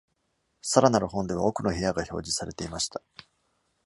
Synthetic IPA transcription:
saɾanaɾɯ̟ɦõ̞nd̪e̞β̞ao̞kɯ̟no̞çejaɡaço̞̰ːd͡ʑisaɾe̞t̪e̞imaɕi̥t̪ḁ

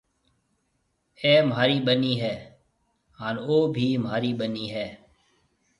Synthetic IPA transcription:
ɛːmɦaːɾiːɓəniːɦɛː | ɦaːnoːbʱiːmɦaːɾiːɓəniːɦɛː

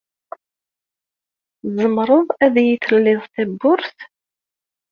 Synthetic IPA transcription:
zˤəmɾˤəðˤæðjiθəlːɪðˤt̪æbːʊɾθ

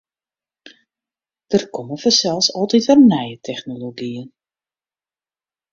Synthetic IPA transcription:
d̥ərkɔməfəsɛlˠsɔlˠtitərnɛjətʰɛxnoloɡiən

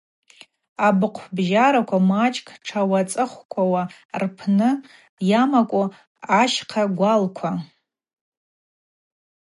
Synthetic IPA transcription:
abɨqʷʰbʒaɾakʷʰamat͡ʃʼkʰʼʈ͡ʂʰawat͡sʼɨχʷkʷʰawa | rpʰnɨ | jamakʷʼo | aʃqʰaɡʷalkʷʰa

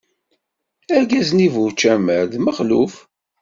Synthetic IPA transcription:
æɾɡæznivut͡ʃːæməɾðməχlṵf

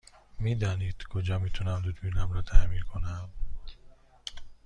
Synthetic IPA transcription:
miːd̪ɒːniːd̪̥kʰod͡ʒɒmiːt̪ʰunæmd̪ud̪minæmɾɒːt̪ʰæminkʰonæm

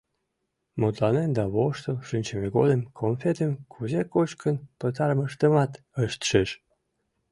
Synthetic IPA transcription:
mot̪lɑnend̪ɑβoʃt̪oʃɨnʲt͡ɕemeɡolemkʰonfet̪emkʰuzekot͡ɕkənpət̪ɑɾməʃt̪əmɑt̪ | əʃt̪ʃeʃ

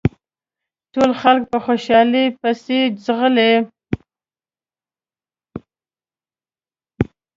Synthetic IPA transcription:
ʈolxalk̚pəxoʃɑlipasezɣəle

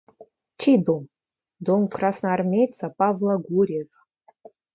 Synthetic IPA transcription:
t͡ʃʰed̪om | d̪omkrasnaarmʲejt̪t͡sapavlˠaɡʷuɾʲeɣ

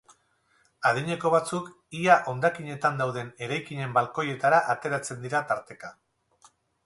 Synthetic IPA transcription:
að̞iɲe̞ko̞βat͡suk | iaʔo̞nd̪akiɲe̞t̪and̪awðe̞ne̞ɾajkiɲe̞mbalko̞je̞t̪aɾaʔat̪e̞ɾat͡se̞nd̪iɾat̪aɾt̪e̞ka

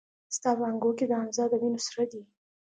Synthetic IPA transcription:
st̪ɑpəaŋɡoked̪əamzɑd̪əminosɾad̪i

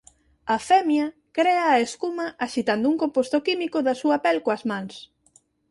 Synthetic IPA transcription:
ɐfɛmjɐ | kɾɛɐːeskumɐʔaʃit̪and̪ʊuŋkompost̪okimikoðɐsuɐpɛlkoɐzmãŋs

